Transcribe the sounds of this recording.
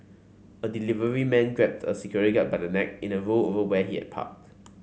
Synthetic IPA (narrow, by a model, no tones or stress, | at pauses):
ədilivəɹimɛ̃nɡɹɛp̚tʰəsikʰjɔɹiɡat̚baɪdənɛk̚ĩnəɹoovəwɛhiɛ̰t̚pʰa̰k̚t